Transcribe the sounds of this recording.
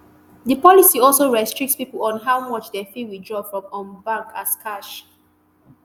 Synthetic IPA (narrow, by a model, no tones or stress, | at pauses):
dəpɔlisiɔlsoɹɛstɹik̚tspipəlɔ̃nɦawmɔt͡ʃdefiwidɹɔbfɹɔ̃mɔ̃nbãŋkʰaskʰaʃ